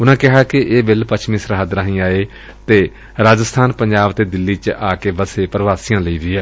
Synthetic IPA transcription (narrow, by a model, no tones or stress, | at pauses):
ʊnãːkɪɦaːkɪʔeːbɪlpət͡ʃʰmĩːsəɾɦaːd̪ɾãːɦĩːaːeː | t̪eː | ɾaːd͡ʒəst̪ʰaːnpəɲd͡ʒaːbt̪eːd̪ɪlːiːt͡ʃʔaːkeːbəseːpɾəʋaːsɪjãːləiːʋiːɛː